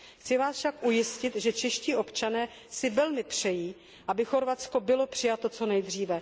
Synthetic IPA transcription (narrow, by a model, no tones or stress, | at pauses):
xt͡sɪvaːsʃakʔujɪscɪt̪ʒɛt͡ʃɛʃciːʔo̞pt͡ʃanɛː | sɪvɛlmɪpr̝̥ɛjiː | ʔabɪxo̞ɾvat͡sko̞bɪlo̞pr̝̥ɪjat̪o̞t͡so̞nɛjd̪r̝iːvɛ